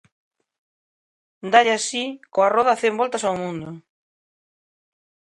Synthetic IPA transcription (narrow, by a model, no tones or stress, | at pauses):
nd̪aʎasikoarɔðɐθembɔlt̪ɐsawmũnd̪ʊ